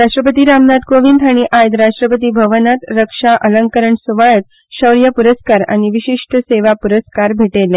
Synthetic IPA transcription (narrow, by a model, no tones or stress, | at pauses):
ɾaʂʈɾəpət̪iːɾamnat̪koʋinʈ̪ʰaɽ̃iʔajd̪ɾaʂʈɾəpət̪iːbʱəʋənat̪ɾəkʂaʔələŋkəɾəɳsuʋajət̪̚ | ɕəʋɾjapuɾəskaɾa̰ɽ̃iʋiɕiʂʈʰəseʋapuɾəskaɾbʱeʈele